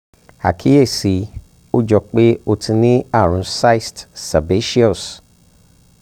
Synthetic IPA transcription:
a̰˨kʰi˨˦e˦˨si˨˦ | o˦d͡ʒɔ˧k͡pe˦o˧tʰĩ˧nĩ˦a˦˨ɾ̃ũ˨˦sa˦i˨stsa˨be˨˦ʃi˦ɔ˦˨s

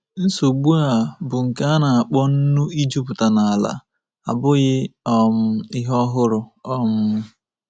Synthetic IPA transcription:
n̩˦so˨ɡ͡bu˦a˨bʊ˨ŋ̩˨ka˦a˦na˨a˨k͡pɔ˦n̩˦nu˦i˦d͡ʒu˦pʊ˨ta˨na˨a˨la̰˨ | a̰˨bʊ˦ɣɪ˦ɔ˨m̩˦ɪ˦ɦɔ˦ɦʊ˦ɾʊ˨ɔ˦m̩˦

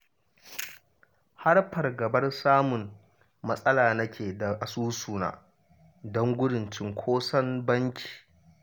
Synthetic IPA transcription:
ha˦rɸɐ˨rɡɐ˨bɐ˦rsaː˦mʊ˨m | mɐ˦sʼɐ˦laː˨nɐ˦kʲeː˨da˨ʔa˨suː˦suː˨na̰ː˨ | dɔ˦ŋɡʷʊ˦ɽɪ˨nt͡ʃɪ˦ŋkʷʰoː˦sɐ˦mbɐ˦ŋkʲi̥ː˨

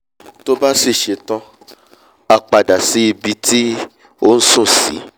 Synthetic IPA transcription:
to˦ba˦si˦˨ʃe˨˦tɔ̃˦ | a˧k͡pa˨da˨si˨˦i˧bi˧ti˦ | o˦n̩˦sũ˦˨sḭ˨˦

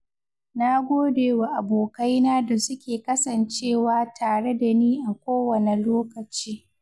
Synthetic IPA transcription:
na˦ɡʷoː˦deː˨wa˨ʔa˨boː˨ka˦jnaː˦da˨sʊ˦kʲeː˨kɐ˦sɐ˨nt͡ʃeː˦˨waː˦tʰaː˨ɽe˦da˨niː˦ʔa˨kʷoː˦wɐ˨ne˨loː˦kɐ˨t͡ʃiː˦

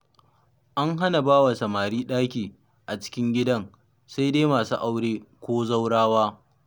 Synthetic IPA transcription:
ʔa˦ŋɦa˦na˨baː˦wa˨sɐ˨maː˨ɾiː˦ɗaː˦kʲiː˨ | ʔa˨t͡ʃɪ̥˦kʲɪ˦ŋɡʲɪ˦dɐ˦ŋ | sa˦jdeː˦maː˨suː˦ʔa˦wɽeː˦kʷoː˦za˦wɽaː˦waː˦

